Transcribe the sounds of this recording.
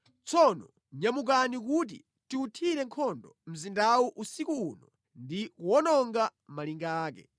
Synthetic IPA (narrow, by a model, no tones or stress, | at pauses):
t͡sʰɔnɔ | ɲamuk̬anik̬ut̬ḭ | tiutʰiɾɛŋkʰɔndɔ̰m̩zindawuʔusikuːnɔ | ndikuwɔnɔŋɡamaliŋɡaːkɛ̰